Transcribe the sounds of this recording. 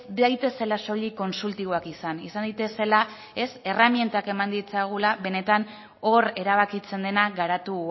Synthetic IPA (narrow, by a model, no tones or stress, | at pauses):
d̪ajt̪e̞se̞laso̞liko̞nsult̪iβo̞akisanisand̪it̪e̞se̞la | e̞se̞ramje̞nt̪ake̞mand̪it͡sajɣ̞ulaβe̞ne̞t̪an | o̞ɾe̞ɾaβ̞akit͡se̞nd̪e̞naɣaɾat̪u